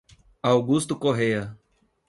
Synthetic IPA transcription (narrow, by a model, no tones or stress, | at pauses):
awɡust̪ukoɦejɐ